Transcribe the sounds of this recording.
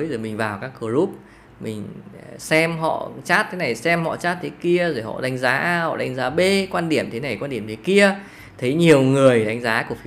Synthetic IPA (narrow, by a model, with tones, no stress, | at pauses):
jzo˨˩jmï˨˩ŋ̟vaː˨˩wkaː˦˥kːɨ˧˩əzu˦˥p̚ | mï˨˩ŋ̟sɛ˧mɦɔ̰˧˨t͡ɕaː˦˥t̚t̪ʰe˨˦na˨˩jsɛ˧mhɔ̰˧˨t͡ɕaː˦˥t̚t̪ʰe˨˦ki˧əzo˨˩jɦɔ̰˧˨ɗa˨˦jŋ̟zaː˨˦ʔaː˧hɔ̰˧˨ɗa˨˦jŋ̟zaː˨˦ɓe˧kwaː˧nɗi˧˩əmt̪ʰe˨˦na˨˩jkwaː˧nɗi˧˩əmt̪ʰki˧ə | t̪ʰə˨˦jɲi˨˩əwŋɨ˨˩əjɗa˨˦jŋ̟zaː˨˦ku˧˩əfi˨˦